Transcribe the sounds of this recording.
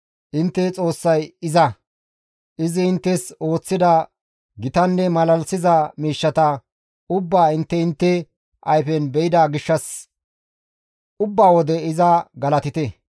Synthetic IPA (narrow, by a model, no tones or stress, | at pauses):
ʔɪnt̪ːɛt͡sʼo̞ːsːɐjɪzɐ | ʔɪzɪɪnt̪ːɛso̞ːt͡sːɪd̪ɐ | ɡɪt̪ɐnːɛmɐlɐlsɪzɐmiːʃːɐt̪ɐ | ʊbːaːɪnt̪ːɛɪnt̪ːɛ | ʔɐjfɛnbɛɪd̪aːɡɪʃːɐs | ʊbːaːwɔd̪ɛɪzɐɡɐlɐt̪ɪt̪ɛ